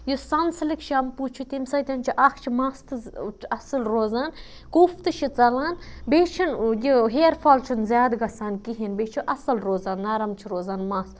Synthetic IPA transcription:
jusɐnslikt͡ʃʰiɐmput͡ʃʰut̪imsɐt̪ʲɐnt͡ʃʰiʔɐkʰt͡ʃʰimaːst̪ɨɐsɐlɾoːzaːn | kuːft̪ɨt͡ʃʰit͡sɐlaːnbeːt͡ʃʰinjiɦeːɾfʰaːlt͡ʃʰinzʲjaːd̪ɡɐsaːnkiɦinbeːt͡ʃʰuʔɐsɐlɾoːzaːnːaːɾɐmt͡ʃʰiɾoːzaːnmaːs

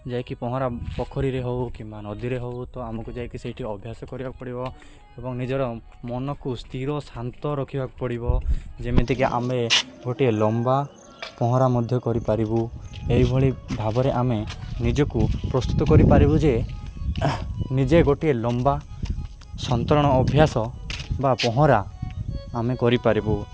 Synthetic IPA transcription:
d͡ʒajkipɔɦɔɾapɔkʰɔɾiɾeɦowkimanɔd̪iɾeɦowt̪ɔamɔkud͡ʒajkisejʈʰiɔbʱjasɔkɔɾibaku̥pɔɽibɔ | ebɔŋnid͡ʒɔɾɔ | mɔnɔkust̪ʰiɾɔsant̪ɔɾɔkʰibʱaku̥pɔɽibɔd͡ʒemed̪ʰʱikiʔa̰meɡoʈielɔmba | pɔɦɔ̃ɾamɔd̪ʱjɔkɔɾipaɾibueɦjbʱɔɭibʱabɔɾeʔamenid͡ʒɔkupɾɔst̪ut̪ɔkɔɾipaɾibud͡ʒe | nid͡ʒeɡoʈielɔmba | sɔnt̪ɔɾɔɽ̃ɔːbʱjasɔbapɔɦɔ̃ɾaː | mekɔɾipaɾibu

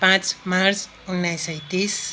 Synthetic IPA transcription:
pãt͡smaɾt͡s | unːajsʌit̪is

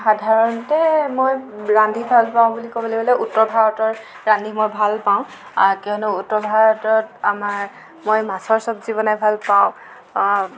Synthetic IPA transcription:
xadʱaɹɔntɛmojɹandʱibʱalpaʊ̃bulikobɔlibɔlɛʔutːɔbʱaɹɔtɔɹ | ɹandʱimojbʱalpaʊ̃ | kiɔnuutːɔɹbʱaɹɔtɔtamaɹ | mojmasɔɹsɔpzibɔnɛbʱalpaʊ̃

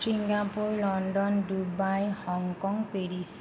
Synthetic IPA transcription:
siŋɡapuɾlɔnɖɔndubajhɔŋkɔŋpeɾis

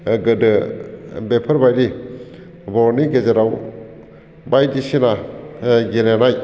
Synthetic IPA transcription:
ɡɯdɯ | bepʰəɾbajɾi | bɔɾniɡezeɾaw | bajdisina | ɡelenaj

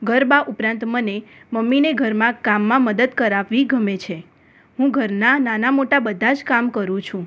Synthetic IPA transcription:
ɡʱəɾbaʔupɾãnt̪məneməmːineɡʱəɾmãkamːãməd̪əd̪kəɾaʋːiɡʱəmet͡ʃʰe | ɦũɡʱəɾnananamoʈabəd̪ʱad͡ʒkamkəɾũt͡ʃʰũ

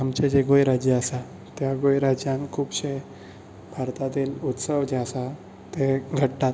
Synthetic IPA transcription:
ɦamt͡ɕed͡ʑeɡojɾad͡ʑeəsa | t̪jaɡojɾad͡ʑjãŋkʰuːbɕe | bʱaɾt̪at̪iːlut̪səʋd͡ʑeəsa | t̪eɡʱəʈːat̪

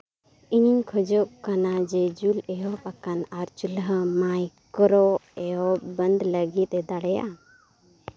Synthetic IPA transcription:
iɲiɲkʰɔd͡ʒɔʔkanad͡ʒɛd͡ʒulɛɔpakanaɾt͡ʃulɦmajkɔɾɔɛɔbənd̪ləɡit̪̚ɛd̪aɽɛja̰

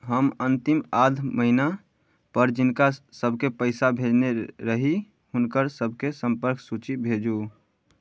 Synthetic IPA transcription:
ɦəmənt̪imad̪ʱməɦina | pəɾd͡ʒɪnkasəbʱkepəɪsabʱed͡ʒneɾəɦi | hʊnkəɾsəbʱkesəmpəɾksut͡ʃibʱed͡ʒu

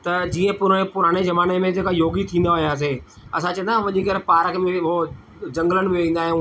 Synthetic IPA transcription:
t̪ɐd͡ʑiːə̃pʊɾ̃epʊɾaːɽ̃ezɐmaːnemẽd͡ʑeːkajoːɡit̪ʰĩːnd̪aɦʊijaːs̬e | ɐs̬ãt͡ɕɐ̃ə̃nd̪ãʋɐʄĩkəɾpaːɾəkʰmẽɦo | d͡ʑɐ̃ŋɡələɽ̃̆bʋĩːn̆d̪aːɦjũː

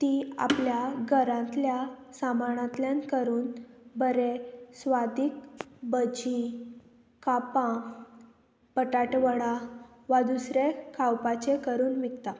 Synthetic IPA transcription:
t̪ia̰pljaɡʱəɾãt̪ljasamaɳãt̪ljankəɾuːnbəɾesʋad̪ikbəd͡ʑĩ | kapã | pəʈaʈʋəɽa | ʋad̪usɾekʰawpat͡ɕekəɾuːnʋikt̪a

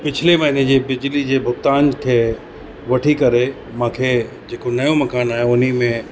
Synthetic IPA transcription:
pɪt͡ɕʰɪlemɐɦined͡ʑeːbɪd͡ʑlid͡ʑeːbʱʊkt̪aːnkʰeː | ʋɐʈʰikɐɾe | mãːkʰeː | d͡ʑeːkonɐjõmɐkaːnaːɦeʊnimẽ

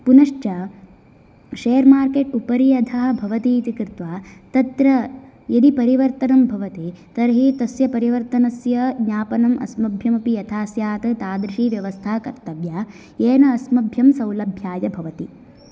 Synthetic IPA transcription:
punɐʂt͡ʃɐ | ʃeːɐɾmaːɾkeːʈupɐɾiɐd̪ʰʱaːɐbʱɐʋɐt̪iːt̪ikɾɪt̪ʋaːt̪ɐt̪ɾɐ | jɐd̪ipɐɾiʋɐɾt̪ɐnɐmbʱɐʋɐt̪it̪ɐɾɦit̪ɐsjɐpɐɾiʋɐɾt̪ɐnɐsjɐɡɲaːpɐnɐmʔɐ̰smɐbʱjɐmɐpijɐt̪ʰaːsjaːt̪ɐt̪aːd̪ɾiʂiːʋjɐʋɐst̪ʰaːkɐɾt̪ɐʋjaː | eːnɐːsmɐbʱjɐmsɐwlɐbʱjaːjɐbʱɐʋɐt̪i

